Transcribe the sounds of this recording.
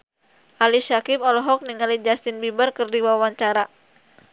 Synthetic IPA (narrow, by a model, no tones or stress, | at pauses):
ʔaliʃakɪpɔlɔɦɔk̚niŋalid͡ʒast̪ɪnbibarkɨrdiwawaɲt͡ʃaɾa